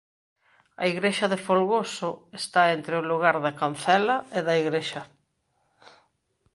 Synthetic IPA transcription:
ɐ̰iɣɾeʃɐðefolɣosʊest̪aent̪ɾeʊluɣaɾðɐkan̟θɛlɐeðɐiɣɾeʃɐ

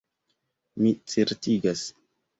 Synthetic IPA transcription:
mit͡seɾtiɡas

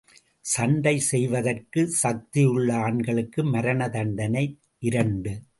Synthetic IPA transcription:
sɐɳɖɐɪsɛjʋɐðɐrkɯsɐk̚t̪ɪjɯɭːɐaːɳɡɐɭɯkːɯmɐɾɐnɐðɐɳɖɐnɐɪ | ʔɪɾɐɳɖɯ

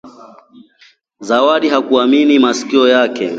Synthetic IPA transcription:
zawaɗiɦakuaminimasi̥kiɔjakɛ̰

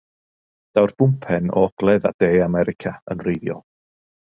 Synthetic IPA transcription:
d̥awrb̥ʊmpʰɛnɔ̰ɔɡ̥lˠɛða̰d̥eːamɛɾɪkʰaə̰nrejðjɔ̰lˠ

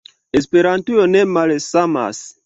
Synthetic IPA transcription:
es̬peɾãntujonemalsama̰s

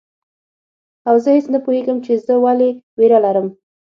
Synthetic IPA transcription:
awzəhesnapuheɡəmt͡ʃezəwaleweɾalaɾəm

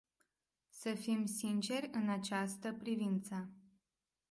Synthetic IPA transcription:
səfimsint͡ʃe̞rʲɨnat͡ʃast̪əpɾivint̪sə

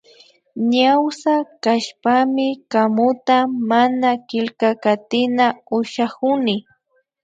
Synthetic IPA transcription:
ɲawsakaʃpamɪkamʊt̪amanakɪlkakat̪ɪnaʊʃakʊnɪ

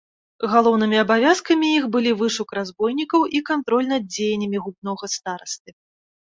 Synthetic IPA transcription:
ɣalˠɔwnɨmʲiɐbavʲaskɐmʲijixbɨlʲivɨʂukɾazbɔjnʲikɐwʔikant̪ɾɔlʲnɐd̪̚d͡zʲejnʲɐmʲiɣubnɔɣɐst̪aɾɐst̪ɨ

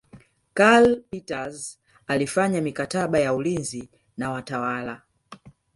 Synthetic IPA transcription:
kalpitaz | alifaɲamikataɓajaulinzi | nawatawala

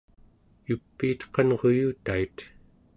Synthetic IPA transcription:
jupːiːt̪qɑnʁo̞juːt̪ait̪

